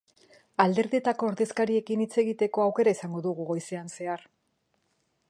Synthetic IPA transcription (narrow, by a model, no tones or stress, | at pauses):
ald̪e̞ɾðiet̪ako̞ːɾðe̞skaɾie̞kinit͡se̞ɣit̪e̞koawke̞ɾaisaŋɡo̞ðuɣ̞uɣo̞jse̞anse̞aɾ